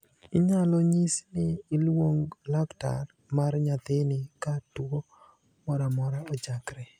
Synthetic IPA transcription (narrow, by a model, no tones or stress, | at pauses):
ɪɲalɔɲisnɪːlwoŋlakta̰r | marɲat̪ɪnɪkatuo | mɔɾamɔɾaɔd͡ʒakɾe